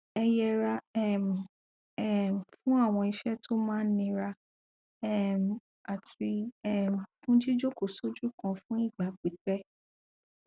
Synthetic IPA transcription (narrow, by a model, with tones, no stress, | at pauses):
ɛ˧jɛ˧ɾa˧ɛ˦˨m̩˨ | ɛ˦˨m˨fũ˦a˦˨w̃ɔ̃˧i˧ʃɛ˦tʰo˦mãː˦nĩ˧ɾa˧ | ɛ˦m˨ | a˨ti˧ɛ˦˨m˨fũ˦d͡ʒi˦d͡ʒo˦ko˨so˦d͡ʒu˦kã˧fũ˦i˦˨ɡ͡ba˨˦k͡pi˨˦k͡pɛ˦